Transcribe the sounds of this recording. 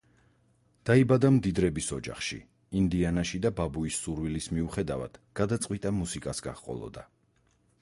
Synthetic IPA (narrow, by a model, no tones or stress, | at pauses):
d̪̥aibad̪amd̪id̪ɾɛbisɔd͡ʒa̰χʃḭ | ind̪ianaʃid̪ababuisːuɾvilismiuχɛd̪ava̰d̪̥ɡ̥ad̪at̪sʼwit̪ʼamusikʼasɡa̰χqʼɔ̰lˠɔ̰d̪a